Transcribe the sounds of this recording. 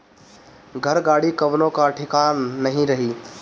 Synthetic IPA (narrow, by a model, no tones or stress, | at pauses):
ɡʱəɾɡaːɽikɐʋnõkaʈʰɪkanɐɦĩɾɐɦiː